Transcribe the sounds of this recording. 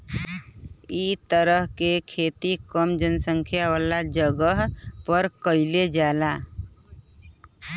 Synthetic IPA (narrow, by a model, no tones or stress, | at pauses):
it̪əɾəɦkekʰeːt̪ikəmd͡ʒənsə̃ŋkʰjawaːlad͡ʒəɡəɦpəɾkəɪled͡ʒaːlaː